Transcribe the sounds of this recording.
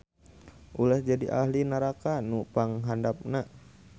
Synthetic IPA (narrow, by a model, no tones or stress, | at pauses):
ʔulahd͡ʒadḭʔahlinaɾakanupaŋɦandap̚na